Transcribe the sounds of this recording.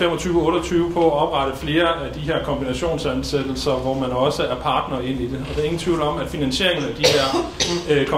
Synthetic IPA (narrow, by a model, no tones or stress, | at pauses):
fem̰ɒ̽t͡sʰyːʊəɔ̽ːɾɐt͡sʰyːʊəpʰɒ̽æɒ̽b̥ʁɑ̈ɾ̥əfle̝ːɐæd̥iɦeɐ̰kʰɒ̽mb̥inæɕo̝̰ːnsænsed̥l̩sɐʋɒmænɒ̽səæɐpʰɑ̈ːd̥nɐe̝n̰id̥e̝ɒ̽d̥æ̈ɐe̝ŋn̩t͡sʰʋiʊlɒ̽m̰æ̥finænɕe̝̰ɐ̰eŋn̩æd̥iɦæɐ̰kʰ